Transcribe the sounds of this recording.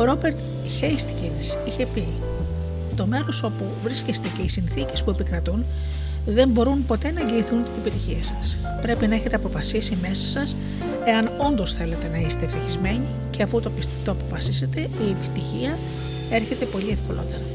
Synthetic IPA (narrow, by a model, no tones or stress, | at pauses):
oɾo̞be̞ɾt̪ | çejst̪cinsiçe̞pi | t̪o̞me̞ɾo̞so̞puvɾiscest̪e̞ce̞isinθice̞spue̞pikɾɐt̪un | ðe̞mbo̞ɾunpo̞t̪e̞nɐeɲɟeiθunt̪ine̞pit̪içiesɐs | pɾe̞pinɐeçe̞t̪e̞ɐpo̞fɐsisime̞sɐ̥sɐs | e̞ɐno̞nd̪o̞sθe̞le̞t̪e̞nɐise̥t̪eft̪içizme̞ɲi | ce̞ɐfut̪opi | t̪oɐpo̞fɐsise̞t̪e̞ie̞pi̥t̪içiɐ | e̞ɾçe̞t̪e̞po̞lie̞fko̰lo̞̰t̪e̞ɾɐ